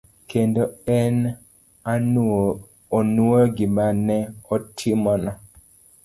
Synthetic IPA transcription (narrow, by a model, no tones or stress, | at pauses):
kendoɛn | a | onwoɡɪmanɛɔtʰimɔnɔ